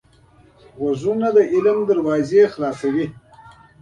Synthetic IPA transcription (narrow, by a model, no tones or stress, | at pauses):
wazunad̪əʔɪlmd̪aɾwɑːzexlɑːsawi